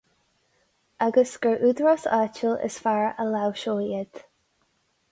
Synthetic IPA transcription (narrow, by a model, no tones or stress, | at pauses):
aɡəsɡ̥əɹʔʉd̪ɹasaːt͡ʃəlɪ̰sfaɹəlawʃoːjɛd̪̥